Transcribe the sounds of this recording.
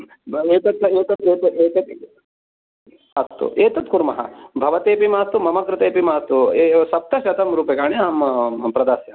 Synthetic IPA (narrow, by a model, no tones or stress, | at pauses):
eːt̪ɐt̪ːɐeːt̪ɐt̪eːt̪ɐeːt̪ɐt̪ | ɐst̪ṵʔeːt̪ɐt̪kuɾmɐɦɐ̰bʱɐʋɐt̪eːpimaːst̪umɐmɐkɾɪt̪eːpimaːst̪uesɐp̚t̪ɐʃɐt̪ɐmɾuːpekaːɳiaːmpɾɐd̪aːsjɐ